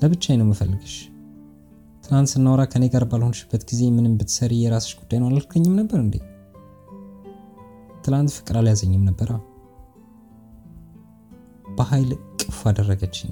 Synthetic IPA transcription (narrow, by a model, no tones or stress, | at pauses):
ləβɨt͡ʃːajɛnəwmɨfəlːɨɡəʃ | t̪ʰɨlant̪sɨnːawɾakʰəneɡaɾbalho̞nʃɪ̥bːət̪ɡize̞mɨnɨmbɨt̪ʰsəɾijɛɾasə̥t͡ʃːɡ̥ud̪̥ːajnəwlalkʰəɲːɪmnəbːəɾɨnd̪ḛ | t̪ʰɨlant̪fɨkʼɾaljazəɲːɨmnəbːəɾaw | b̥əhajlkʼɨfad̪ərːəɡət͡ʃːɪn